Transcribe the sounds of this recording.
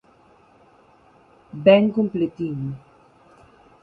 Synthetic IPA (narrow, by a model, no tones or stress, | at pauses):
bɛŋkumplet̪in